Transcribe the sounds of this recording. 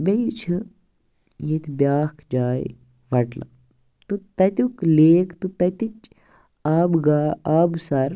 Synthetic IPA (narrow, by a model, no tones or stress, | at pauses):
bejt͡ʃʰɨ | jet̪ʰbʲjaːkʰd͡ʒaːj | ʋɐʈla̰ | t̪ut̪ɐt̪ukleːkt̪ut̪ɐt̪it͡ʃ | aːbɡaːaːbsɐɾ